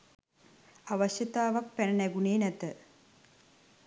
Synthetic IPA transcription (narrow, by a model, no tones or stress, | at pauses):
aʋəɕjət̪aːʋak̚pænənæɡuneːnæt̪ə